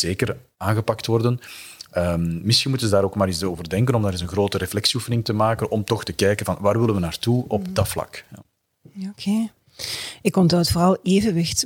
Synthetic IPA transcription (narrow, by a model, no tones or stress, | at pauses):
z̥eːkər | aːnɣəpɑktʋɔrdənəmmɪsxinmutənzədaːɾoːkmaːɾisoːvərdɛŋkənɔmdaːɾɪzənɣroːtəɾeflɛksiufənɪŋtəmaːkənɔmtɔxtəkɛjkənvɑnʋaːrʋɪlənʋənaːrtuɔb̚dɑtflɑ̰kja | okʰe | ɪkːɔntoːtfoːrɑlˠeːvənʋɪxt